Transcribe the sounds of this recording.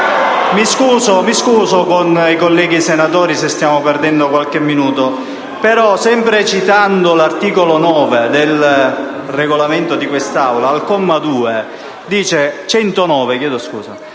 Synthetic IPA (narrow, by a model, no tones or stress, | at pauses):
miskuːzomiskuːzokonikolːɛːɡisenat̪ɔːɾisest̪jaːmopɛrd̪ɛnd̪okwalk̟emːinuːt̪o | peɾɔsɛmpɾet͡ʃit̪and̪olart̪iːkolonɔːved̪ɪl | reɡolament̪od̪ikwest̪awlaːlkɔmːad̪uːe | d̪iːt͡ʃet͡ʃɛnt̪onɔːvekjɛːd̪oskṵːza̰